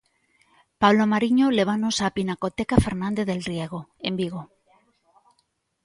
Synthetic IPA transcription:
pawlomaɾiɲole̞βanosapinako̞t̪ekafe̞ɾnãnd̪eðe̞lrieɣ̞oembiɣ̞o

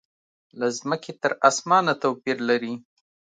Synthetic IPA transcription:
lazməkʰet̪əɾɑsmɑnat̪awpiɾlaɾi

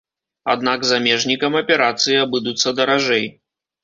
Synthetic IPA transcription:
a̰d̪̚naɡzamʲɛʐnʲikɐmɐpʲɛɾat̪sɨjiabɨd̪ut̪sːɐd̪ɐɾaʐɛj

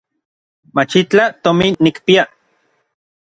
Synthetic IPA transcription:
mat͡ʃit͡ɬat̪omiːikpia

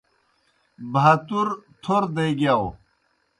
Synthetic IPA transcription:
bʱat̪uɾt̪ʰoɾd̪eɡjaw

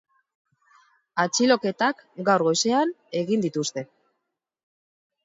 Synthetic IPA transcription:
at͡ʃilo̞ke̞t̪akɡawɾɣo̞jse̞ane̞ɣind̪it̪ust̪e̞

